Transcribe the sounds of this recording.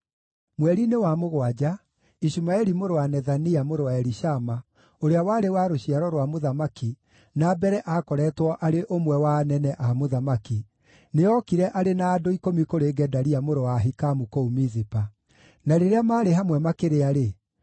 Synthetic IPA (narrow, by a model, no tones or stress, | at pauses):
mwɛɾinewamoɣwad͡ʑa | iʃumaɛɾimoɾowanɛðaniamoɾowaɛɾiʃama | oɾeawaɾewaɾoɕiaɾɔɾwamoðamaki | nabɛɾɛʔakɔɾɛtwɔʔaɾeʔomwɛwanɛnɛʔamoðamaki | neɔkiɾɛʔaɾenaːdoikomikoɾeːɡɛdaɾiamoɾowaɦikamukoumizipa | naɾeɾeamaːɾeɦamwɛmakeɾeaɾe